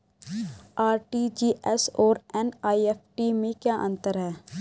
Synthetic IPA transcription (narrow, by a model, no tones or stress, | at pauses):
aːɾʈid͡ʒiːʔɛsɔːɾɛnaːiɛːpʈimẽkjaːʔɐ̃nt̪əɾɦɛː